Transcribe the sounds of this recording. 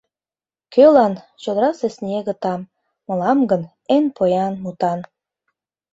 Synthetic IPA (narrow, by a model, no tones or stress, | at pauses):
kølɑn | t͡ɕod̪ɾɑsĕsnʲeɣə̆t̪ɑm | mɤ̆lɑmɡə̆n | enpojɑnmut̪ɑn